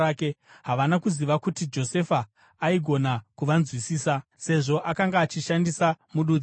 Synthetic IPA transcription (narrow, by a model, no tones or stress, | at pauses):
akeɦaʋanakuziʋakutid͡ʒo̞se̞faː | iɡʱo̞nakuʋanzwisiːsase̞ʐo̞ʔakaŋɡaːt͡ʃiʃandisamuɗu